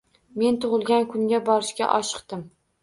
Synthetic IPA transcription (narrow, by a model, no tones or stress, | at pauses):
me̞nt̪ʰʊʁɨlˠɡʲankʰʊŋɡʲabɒɾɪʃkʲa̰ʔɒʃɨ̥qt̪ɪm